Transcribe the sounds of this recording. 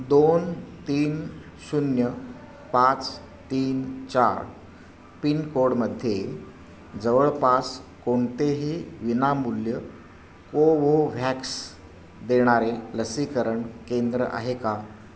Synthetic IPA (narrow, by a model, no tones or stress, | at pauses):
d̪ont̪iːn | sunjə | pat͡s | t̪iːnt͡ɕa̰ɾ | pinkoɾɽməd̪ʱje | d͡zəʋəɭpaskoɳt̪eɦiʋinamuljə | koʋoʋʱɛks | d̪eɽ̃aɾeləsikəɾəɳkend̪ɾəʔa̰ɦeka